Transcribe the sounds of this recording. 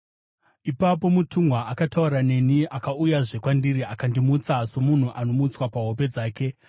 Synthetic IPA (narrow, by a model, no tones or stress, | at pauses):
ipapo̞mutʰuŋɡwaːkatauɾane̞niʔakaujaʐe̞kwandiɾiakandimut͡saso̞mun̤uʔano̞mut͡swapaɦo̞pe̞d͡zaːke̞